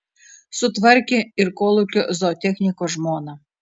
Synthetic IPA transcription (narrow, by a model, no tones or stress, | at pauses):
sʊt̪ʋɛrkʲɪirkɔlˠʊkʲɪzɔt̪ʲɛxnʲikɔʒmɔnɐ